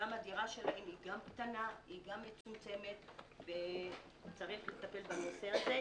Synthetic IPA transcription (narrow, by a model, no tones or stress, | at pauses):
amad̪iʁaʃe̞lahe̞miɡamkt̪anaiɡamːet͡sut͡se̞me̞t̪be | t͡saʁiχlet̪ape̞lbanoseaze